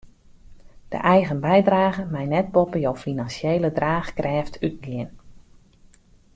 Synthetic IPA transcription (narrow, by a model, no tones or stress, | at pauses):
d̥ə̰ʔɛjɣənbɛjdraːɣəmɛjnɛt̚bɔpəjowfinansjejlədraːxkrɛːftʰyt̚lɪən